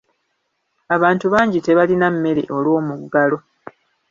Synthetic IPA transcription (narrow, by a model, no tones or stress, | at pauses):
aβaːntuβaːɲɟite̞βalinamːe̞lḛʔo̞lwo̞ːmuɡːalo̞